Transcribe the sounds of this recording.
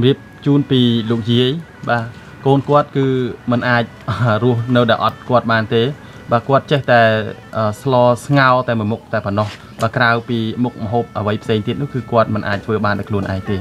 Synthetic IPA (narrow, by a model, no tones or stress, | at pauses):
mriəp̚t͡ɕuːnpiːloːk̚jiəj | ɓaː | koːnkŏət̪̚kɨːmɨnʔaːc̚rʊ̆əhnɨwɗaɛʔɑt̪̚kŏət̪̚ɓaːnt̪eː | ɓaːkŏət̪̚t͡ɕɛht̪aɛʔəːslɑːsŋaɔlt̪aɛmɨəmuk̚t̪aɛpɔnːɑh | ɓaːkrawpiːmuk̚məɦoːp̚ʔəʋəjpʰseːŋt̪iət̪̚nʊ̆əkɨːkŏət̪̚mɨnʔa̰ːc̚t̪ʰʋəːɓaːnɗaɔkʰluənʔa̰ɛŋt̪eː